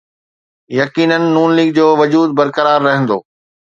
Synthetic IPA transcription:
jɐkiːnənɪ̆ːuːnliːɡ̚d͡ʑoːʋɐd͡ʑuːd̪̚bɐɾkɐɾaːɾːɐɦə̃nd̪o̰ː

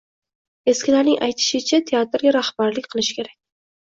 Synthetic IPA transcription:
e̞skʲɪlaɾnɪŋʔajt̪ʰɪ̥ʃɪt͡ʃʰat̪ʰe̞at̪ɾɡʲaɾahbaɾlɪkʲqʰɨlˠɪʃkʲe̞ɾakʲ

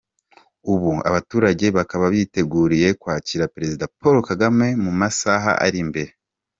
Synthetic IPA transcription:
uβua̰βatuːɾaɟe̞βakaβaβite̞ɡuːɾije̞kwaːciɾapeɾe̞zidapoɾo̞kaɡame̞mumasaɦa̰a̰ɾimbe̞ɾe

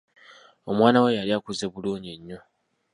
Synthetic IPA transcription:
o̞mwaːnawe̞jaliakuzeβuluːɲeɲːo̞

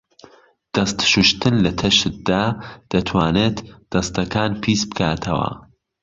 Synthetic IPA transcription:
d̪̥ɐst̪ʃuʃt̪ɨnlɐt̪ʰɐʃɨt̪̚d̪aːd̪̥ɐt̪ʰwaːneːt̪d̪̥ɐst̪ɐkʰaːnpʰiːsbɨkʰaːt̪ʰɐwɐ̰

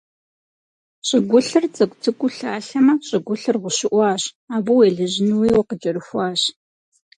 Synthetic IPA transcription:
ɕʼɪɡʷʊɬɨrt͡sʼɐkʷʼtʰɨkʷʼʊɬaːɬɐmɐɕʼɪɡʷʊɬɨrʁʷʊɕɪʔʷɑːɕ | aːbuweːɮɨʑɪnɨwiːwqət͡ʃʼɐɾɨxʷɑːɕ

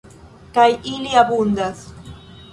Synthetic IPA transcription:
kajɪljabʊnd̪as

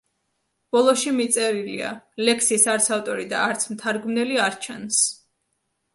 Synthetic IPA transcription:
b̥ɔlˠɔʃimit̪sʼɛɾilḭa̰lɛkʰsisaɾt̪savt̪ʼɔɾid̪aːɾt̪sʰmt̪ʰaɾɡmnɛliaɾt͡ʃʰɛns

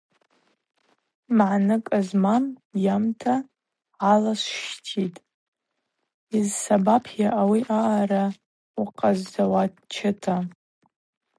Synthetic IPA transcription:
mʕnɨkʼazmamjamtʰa | alasʃtʰitʼ | izsabapʰjaʔawiʔaːɾa | uqʼazːawadt͡ʃʰɪtʰa

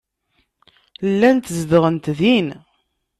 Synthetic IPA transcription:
lːænt̪zðəʁənt̪ðin

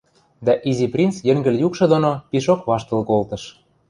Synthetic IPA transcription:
d̪æʔiziprʲint͡sjɘ̆ŋɡə̆ljukʃɤ̆d̪onopiʃokβɑʃt̪ɤ̆lkolt̪ɤ̆ʃ

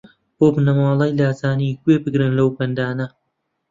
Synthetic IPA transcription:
boːbnɐmɑːlˠɑjlaːzaːniɡweːbɨɡɾɨnlɐwbɐnd̪aːnɐ

